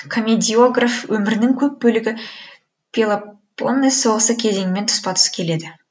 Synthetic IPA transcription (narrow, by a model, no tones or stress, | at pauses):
kʰomʲed̪ʲio̞ɡrafwɵmɪɾɪnɪŋkʲʰɵp̚bɵlɪɡʲɪ | pʲilˠaponːɨso̞ʁəsəkʲʰe̞ze̞ŋɪme̞nt̪ʰʊ̥spɑt̪ʰə̥skʲʰe̞le̞d̪ɪ